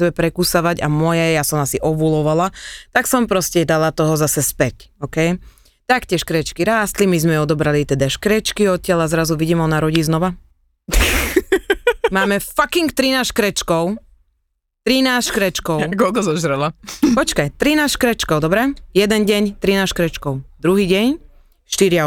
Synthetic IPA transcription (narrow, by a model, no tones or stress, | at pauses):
ɛbɛpɾɛkusaʋaɟa̰mɔjɛjasɔmasiʔɔʋulɔʋalat̪aksɔmpɾɔscɛd̪alat̪ɔɦɔzasɛspɛcɔkɛj | t̪akcɪɛʃkɾɛt͡ʃkiɾaːst̪limizmɛɔd̪ɔbɾalit̪ɛd̪aʃkɾɛt͡ʃkiɔt̪̚cʲɪalazɾazuʋiɟiːmɦɔnaɾɔɟiːznɔʋa | maːmɛfakiŋkt̪ɾinaːsʃkɾɛt͡ʃkɔʊ | t̪ɾinaːsʃkɾɛt͡ʃkɔʊkɔlkɔzɔʒɾɛlapɔt͡ʃkajt̪ɾinaːsʃkɾɛt͡ʃkɔʊd̪ɔbɾɛjɛd̪ɛnɟɛɲt̪ɾinaːsʃkɾɛt͡ʃkɔʊd̪ɾuɦiːɟɛɲ | ʃt̪iɾɪa